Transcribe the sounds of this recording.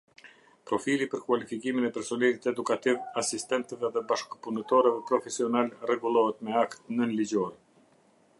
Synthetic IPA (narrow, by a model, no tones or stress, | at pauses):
pɾɔfilipəɾkwalifikiminɛpɛɾsɔnɛlit̪ɛd̪ukat̪ivasist̪ɛnt̪ɛvɛðɛbaʃkəpunət̪ɔɾɛvɛpɾɔfɛsiɔnalrɛɡulˠɔɦɛt̪mɛakt̪nənlid͡ʑɔɾɛ